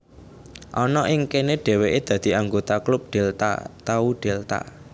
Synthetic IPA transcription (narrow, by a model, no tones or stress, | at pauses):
ʔɔnɔʔɪŋkeneɖ̥e̤weʔed̪̥ä̤d̪̥i̤aŋɡot̪aklʊp̚ɖ̪̥elt̪a̰t̪auɖ̪̥e̤lt̪a̰